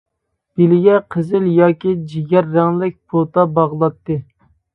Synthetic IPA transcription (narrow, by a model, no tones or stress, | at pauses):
b̥ilɪɡʲɛqʰəzɪljɑːkʲid͡ʒiɡʲɛɾːæŋlɪk̚ʲpʰot̪ɑbɑʁlˠɑt̪ːɨ